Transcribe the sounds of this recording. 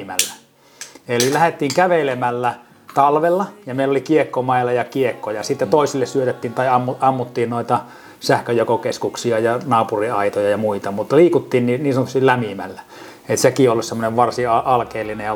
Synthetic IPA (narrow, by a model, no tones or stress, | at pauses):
mæ̰lːæ | elilæhet̪ːiːŋkæʋelemælːæ | t̪ɑlʋelːɑjɑmeˑilːolikiekːomɑˑilːɑjɑkiekːojɑsit̪ːet̪oˑisilːessyøt̪et̪ːiːnt̪ɑiɑmːuɑmːut̪ːiːnnoˑit̪ɑ | sæhkøjokokeskuksiɑjɑnɑːpuriɑit̪ojɑjɑmuit̪ɑmut̪ːliːkut̪ːiːnniniːnsɑnot̪ysillæmimæ̰lːæ | et̪sekiolːussemːoneʋʋɑrsiɑʔɑlkeːlːinejjɑ